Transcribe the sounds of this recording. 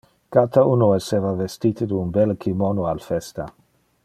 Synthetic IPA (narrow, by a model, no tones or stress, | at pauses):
kat̪aunoɛseːvavest̪it̪ed̪unbɛlkʰimonoalfɛst̪a